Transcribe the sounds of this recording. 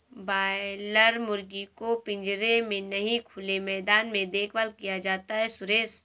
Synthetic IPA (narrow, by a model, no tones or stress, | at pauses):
baːləɾmʊɾɡikopɪ̃ɲd͡ʒɾemẽnɐɦĩkʰʊlemɛːd̪aːnmẽd̪eːkʰʋəlkijad͡ʒaːt̪aɦɛsʊɾeːs